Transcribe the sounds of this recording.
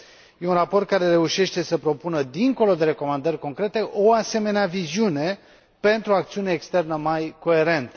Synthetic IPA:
je̞unrapo̞rt̪̚kaɾe̞ɾe̞uʃe̞ʃt̪e̞səpɾo̞punəd̪iŋko̞lo̞d̪e̞ɾe̞ko̞mand̪ərʲko̞ŋkɾe̞t̪e̞ʔo̞ase̞me̞neaviziune̞ | pe̞nt̪ɾuakt̪siuneːkst̪e̞rnəmajko̞e̞ɾe̞nt̪ə̥

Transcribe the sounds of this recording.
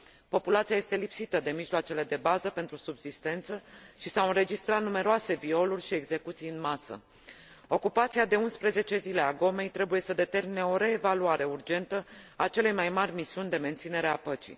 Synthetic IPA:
po̞pulat̪sijaje̞st̪e̞lipsit̪əd̪e̞miʒloat͡ʃe̞le̞d̪e̞bazəpe̞nt̪ɾusubz̥ist̪e̞nt̪səʃisawɨnɾe̞d͡ʒist̪ɾat̪̚nume̞ɾoase̞vio̞lurʲʃie̞ɡze̞kut̪sijɨnmasə̰ | o̞kupat̪siad̪e̞unspɾe̞ze̞t͡ʃe̞zile̞aɡo̞me̞jt̪ɾe̞buje̞səd̪e̞t̪e̞rmineo̞ɾe̞ːvaluaɾe̞urd͡ʒe̞nt̪əat͡ʃe̞le̞jmajmarʲmisiunʲd̪e̞me̞nt̪sine̞ɾeapət͡ʃḭ

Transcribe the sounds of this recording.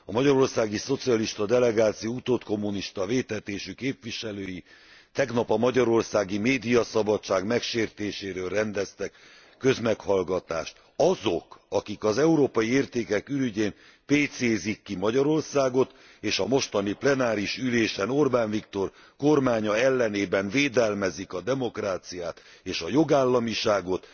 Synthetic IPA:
ɒmɒɟɒɾo̞rsaːɡiso̞t̪siɒliʃt̪ɒd̪ɛlɛɡaːt̪sijout̪oːt̪ko̞mːuniʃt̪ɒveːt̪ɛt̪eːʃykeːpviʃɛløːji | t̪ɛɡnɒpɒmɒɟɒɾo̞rsaːɡimeːd̪ijɒsɒbɒt͡ʃːaːɡmɛkʃeːrt̪eːʃeːɾøːlrɛnd̪ɛst̪ɛkː | ø̞zmɛkhɒlɡɒt̪a̰ːʃt̪ | ɒzo̞kɒkikɒzɛuɾoːpɒjieːrt̪eːkɛkylyɟeːn | peːt̪seːzikːimɒɟɒɾo̞rsaːɡo̞t̪ | eːʃɒmo̞ʃt̪ɒniplɛnaːɾiʃyleːʃɛno̞rbaːnvikt̪o̞r | ko̞rmaːɲɒɛlːɛneːbɛnveːd̪ɛlmɛzikɒd̪ɛmo̞kraːt̪sijaːt̪eːʃɒjo̞ɡaːlːɒmiʃaːɡo̞t̪

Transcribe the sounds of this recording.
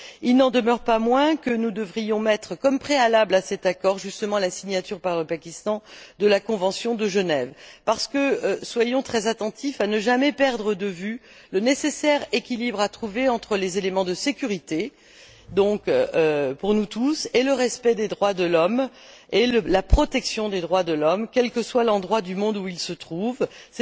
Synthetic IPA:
ilnɑ̃d̪əmœʁpamwɛ̃kənud̪əvʁijɔ̃mɛt̪χəkɔmpχealablasɛt̪akɔʁʒyst̪əmɑ̃lasiɲat̪yʁpaʁləpakʲist̪ɑ̃d̪əlakɔ̃vɑ̃sjɔ̃d̪əʒənɛvpaʁsə̥kəswajɔ̃t̪χɛzat̪ɑ̃t̪ifanəʒamɛpɛʁd̪ʁəd̪əvy | lənesesɛʁekʲilibʁat̪χuveɑ̃t̪χəlezelemɑ̃d̪əsekʲyʁit̪e | d̪ɔ̃køpuʁnut̪useləʁɛspɛd̪ed̪ʁwad̪əlɔm | eləlapχɔt̪ɛksjɔ̃d̪ed̪ʁwad̪əlɔmkʲɛlkəswalɑ̃d̪ʁwad̪ymɔ̃d̪uilsət̪χuvsɛ

